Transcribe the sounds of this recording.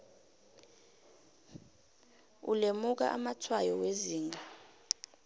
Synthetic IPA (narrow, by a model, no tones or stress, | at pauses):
ṵlemuk̬a̰ʔamatʰwajɔweziːŋʱa